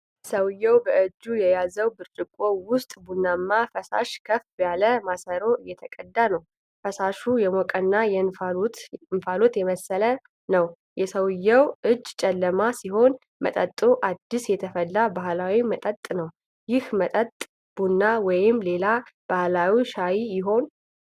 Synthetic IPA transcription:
səwɨjːɛwbəʔɨd͡ʒːujɛjazəwbɨɾt͡ʃʼɪkʷʼo̞wʊst̪ʼbunːamːafəsa̰ʃkʰəfbjaləmasəɾo̞jɛt̪ʰəkʼəd̪ːanəw | fəsaʃujɛmokʼənːajɛ | ɨnfalo̞t̪jɛməsələ | nəw | jɛsəwɨjːɛwʔɨd͡ʒːt͡ʃʼɛlːəmasiɦo̞n | mə̰t̪ʼət̪ʼːoʔad̪ːisjɛt̪ʰəfəlːabahlawimət̪ʼət̪ʼnəw | jɪhmət̪ʼət̪ʼ | b̥unːawɔjɪmle̞lab̥ahlawiʃajijɪɦo̞n

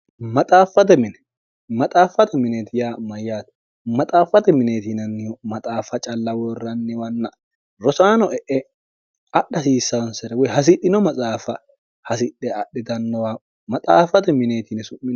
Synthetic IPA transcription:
mɐt̪ʼaːfːɐt̪̬ɛmɪnɛ | mɐt̪ʼaːfːɐt̪ɛmɪneːt̪ɪjaːmɐjːaːt̪ | mɐt̪ʼaːfːɐt̪ɛmɪneːt̪inɐnːɪjɔmɐt̪ʼaːfːɐt͡ʃʼɐlːɐwɔrːɐnːɪwɐnːɐ | ɾɔsaːnɔʔɛʔɛ | ɐɗːɐsiːsːɐwɐnsɛɾɛwɛɦɐs̬ɪɗɪnɔmɐt͡sʼaːfɐ | hɐsɪɗɛɐɗɛd̪ɐnːɔwa | mɐt̪ʼaːfːɐt̪ɛmɪneːt̪inɛsʊmːɪn

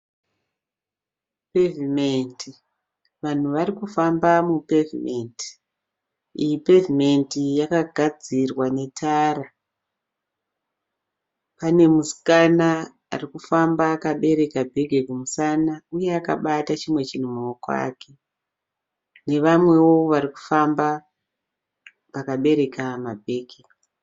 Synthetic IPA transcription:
pe̞vimenti | ʋan̤uʋarikufambamupe̞vime̞nti̥ | ijipe̞vime̞ntijakaɡʱad͡zirwane̞tʰaːɾa | pane̞musi̥kana̰ː | rikufambaːkaɓe̞ɾe̞kabʱe̞ɡʱekumusanauje̞aka̰ɓatat͡ʃimwe̞t͡ʃin̤umuokoa̰ke | ne̞ʋamwe̞wo̞ʋaɾiku̥famba | ʋakaɓe̞ɾe̞kamabʱe̞ːɡʱe

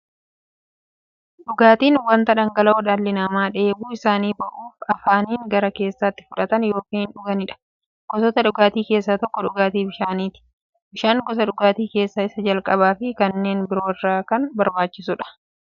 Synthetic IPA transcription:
ᶑʊɡaːt̪iːnwɐnt̪ɐᶑɐŋɡɐlɐoːᶑɐlːɪnɐmaːᶑeːbuːɪsaːniːbɐʔuːfɐfaːniːŋɡɐɾɐke̞ːsːaːt̪ːɪ̥fʊᶑɐt̪ɐnjo̞ːkiːnnᶑʊɡɐnɪᶑɐ̥ | ɡ̥ɔsɔt̪ɐɗᶑʊɡaːt̪iːke̞ːsːat̪ɔkːɔᶑʊɡaːt̪iːbɪʃaːniːt̪ɪ̥ | bɪʃaːŋɡɔs̬ɐᶑʊɡaːt̪iːke̞ːsːɐɪsɐd͡ʒɐlkʼɐbaːfɪkɐnːe̞ːnbɪɾoːɪrːaːkɐnbɐɾbaːt͡ʃːɪsʊᶑɐ̥

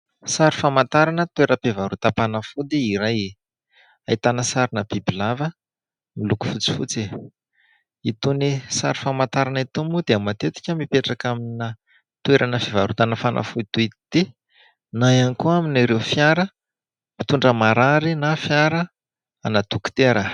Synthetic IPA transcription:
saɾi̥famant̪aɾanət̪weɾəpevaɾut̪apanafud̪iiɾaje | ait̪anəsaɾinəb̥ibilavə | miluku̥fut͡si̥fut͡se | it̪unisa̰ɾi̥famant̪aɾanit̪umud̪eamat̪et̪i̥kʲəmipeʈ͡ʂakamina | t̪weɾʔanəfivaɾut̪anafanʔa̰fud̪it̪uit̪id̪̥e | najanikuaminaɾefjaɾə | mit̪uɳɖ͡ʐəmaɾaɾinafjaɾə | anad̪̥uku̥t̪eɾə

